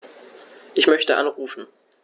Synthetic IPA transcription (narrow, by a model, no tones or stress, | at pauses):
ʔɪçmœçtəʔa̰nʁuːfn̩